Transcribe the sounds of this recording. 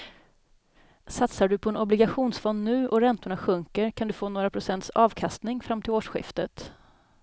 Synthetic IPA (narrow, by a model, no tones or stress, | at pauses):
sat̪saɖɵpʰɔɛnɔblɪɡaɧuːnsfɔnd̪nʉ̟ːʔɔɾɛnt̪ʊɳaɧɵŋkəɾkʰand̪ɵfoːnoːɾapʰɾʊsɛnt̪sɑːvkʰast̪nɪŋfɾamːt̪ʰɪloːʂɧɪ̰ft̪ət̪